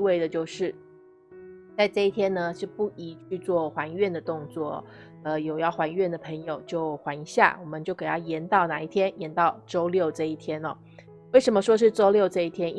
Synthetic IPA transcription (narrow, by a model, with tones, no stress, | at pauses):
we˥˩ɪd̪ə˩t͡ɕjo˥˧ʊʂɻ̩˥˩ | t͡sa˥˧ɪʈ͡ʂɤ˥˧i˥˩t̪ʰjɛ˥nnə˨ʂɻ̩˥˧pu˥˩i˧˥t͡ɕʰy˥˧t͡swɔ˥˩xwa˧˥nɥɛ˥˩nd̪ə˩t̪ʊ˥˧ŋt͡swɔ˥˩ | ə˧˩jo˨˩ʊjɑ˥˩ʊxwa˧˥nɥɛ˥˩nd̪ə˩pʰə˧˥ŋjo˨˩ʊt͡ɕjo˥˩ʊxwa˧˥ni˧˥ɕja̰˥˩wɔ˨˩mə˦nt͡ɕjo˥˩ke˨˩a˥˩jɛ˧˥nt̪ɑ˥˩ʊna˨˩˦i˥˩t̪ʰjɛ˥njɛ˧˥nt̪ɑ˥˩ʊʈ͡ʂo˥ʊljo˥˩ʊʈ͡ʂɤ˥˧i˥˩t̪ʰjɛ˥nɔ˨˩ | we˥˩ɪʂə˧˥mə˧ʂwɔ˥ʂ̬ɻ̩˥˧ʈ͡ʂo˥ʊljo˥˧ʊʈ͡ʂɤ˥˧i˥˩t̪ʰjɛ˥ni˥